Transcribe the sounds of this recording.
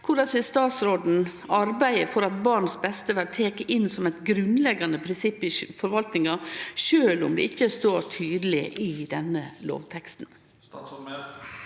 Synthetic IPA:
kʰʊɾɖɑsʋɪst̪ɑːt̪sɾoːd̪n̩ | ɑɾbæɪəfɔɾɑt̪̚bɑɾɳsbɛst̪əʋæɖt̪ʰeːkəʔɪnsɔmɛɪt̪ɡɾʉnlɛɡɑnəpʰɾɪnsɪpːɪfɔɾʋɑlt̪nɪŋɑʃøːlʊ̰md̪ɛ̰ɪçːəst̪oːɾʈʰyːd̪əl̩ɪʔɪd̪ɛnəlo̰ːʋt̪ʰɛkst̪n̩

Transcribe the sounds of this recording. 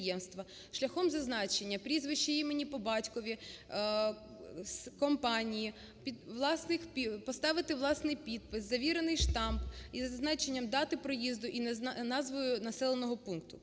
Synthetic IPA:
jɛmst̪ʋɐ | ʃlʲɐxɔmzɐznɑt͡ʃe̞nʲːɐpɾʲizʋɪʃt͡ʃːiimenʲipɔbɑtʲkɔʋʲi | skɔmpɑnʲiji | pʲid̪ʋlˠɑsnɪxpʲipɔst̪ɑʋɪt̪ɪʋlˠɑsnɪjpʲid̪̚pɪszɐʋʲiɾenɪjʃt̪ɑmbizɐznɑt͡ʃe̞nʲːɐmd̪ɑt̪ɪpɾɔjizd̪ʊʔinɑzʋɔjʊnɐsɛlˠenɔɦɔpunkt̪ʊ

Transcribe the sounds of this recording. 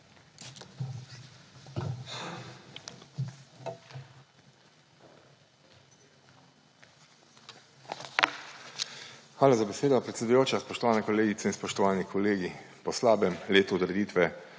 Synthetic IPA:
xʋaːlazabeseːd̪ɔpɾɛt̪sʲɛd̪ujoːt͡ʃaspɔʃt̪ɔʋaːnɛkɔleːɡit̪sɛinspɔʃt̪ɔʋaːnikʰɔleːɡipɔslaːbɛmleːt̪uɔd̪ɾɛd̪iːt̪ʋɛ

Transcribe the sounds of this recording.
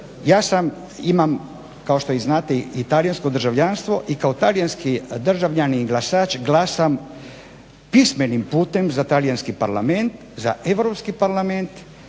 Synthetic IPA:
jaːsam | imam | kaoʃt̪o̞iznaːt̪eit̪alijansko̞d̪ɾrʒaʋʎanst̪ʋo̞ʔikaot̪alijanskid̪r̩ʒaʋʎaniɡlˠasaːt͡ʃɡlasam | pismenimpuːt̪emzat̪alijanskipaɾlame̞nt̪ | za̰ʔeʋɾopskipaɾlament̪

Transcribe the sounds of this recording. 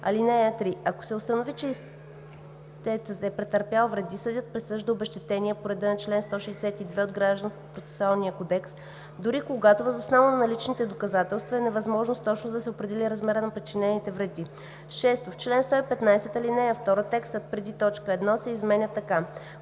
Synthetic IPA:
ɐ̰linɛjət̪ɾiɐko̥sɛʊst̪ənovit͡ʃɛ | t͡ʃɛsət̪ɛpɾɛt̪əɾpjalˠvɾɛd̪isəd̪ʲjət̪̚pɾɛsɤʒd̪əobɛʃt̪ɛt̪ɛniəpoɾɛd̪ɛnɐt͡ʃlɛnst̪ɔʃɛjsɛt̪id̪vɛod̪ɡɾaʒd̪ənskʲipɾot̪sɛ̥sʊalˠniəkod̪ɛks | d̪ʊɾikoɡat̪ovəzosnɔvənɐnɐlit͡ʃnit̪ɛd̪okɐzat̪ɛlˠst̪vɐɛnɛvɐzmɔʒnost̪ɔt͡ʃnod̪ɐsɛopɾɛd̪ɛliɾɐzmɛɾənɐpɾit͡ʃinɛnit̪ɛvɾɛd̪i | ʃɛst̪oft͡ʃlɛnst̪ɔipɛt̪najsɛt̪ɐlinɛjəft̪ɔɾət̪ɛkst̪ot̪̚pɾɛd̪it̪ɔt͡ʃkəɛd̪nɔsɛizmɛnʲət̪ɐka

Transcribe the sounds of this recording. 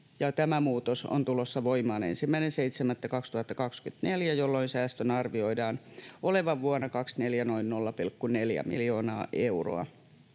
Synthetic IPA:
jɑt̪æmæmuːt̪oso̰nt̪ulosːɑʋoimɑːnḛnsimːæinenseit̪semæt̪ːækɑkst̪uhɑt̪ːɑkɑkskyt̪neljæjolːoinsæːst̪ønɑrʋioidɑːnʔoleʋɑʋʋuɑnɑkɑksneljænoinnolːɑpilkːuneljæ̰mḭljo̞ːnɑːʔeuro̰ɑ̰

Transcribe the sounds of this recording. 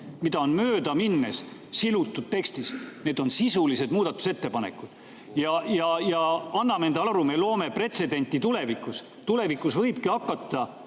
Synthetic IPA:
mid̪̥ɑo̞nmø̞ːd̪ɑminːessilut̪ːˑud̪̥̚t̪e̞kst̪isne̞ːd̪̥o̞nsisulise̞d̪muːd̪ɑt̪ːˑu̥se̞t̪ːe̞pɑne̞̰kːˑud̪̥ | jɑjɑjɑɑnːɑme̞nd̪ɑrumelo̞ːme̞pre̞t̪se̞d̪e̞nʲt̪ʲːˑit̪ule̞vikːˑus | t̪ule̞vikːˑusvɤ̞jb̥kiɑkˑːɑt̪ːˑɑ

